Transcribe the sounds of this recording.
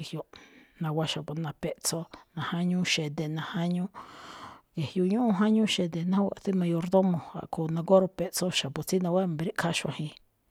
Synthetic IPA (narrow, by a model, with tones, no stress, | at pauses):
i˨hjo˧nã˧wʷa˧ʃa˨pu˧nã˧pe˧ʔt͡so˧nã˨˧hã˦ɲũ˦ʃe˨d̪e˧nã˧ha˦ɲũ˦ | je˨hjo˧ɲũ˦ʔũ˧ɦã˦ɲũ˦ʃe˧d̪e˧˨nã˦wʷa̰˧˨t̪i˦mã˧jo˧ɾd̪o˦mõ˨a̰˨ʔkʰo˧˨nã˧ɡo˦ɾo˧pe˧ʔt͡so˦ʃa˨pu˨t͡si˦nã˧wʷa˦˨be˧ɾi˦ʔkʰa˦ʃã˧hĩ˧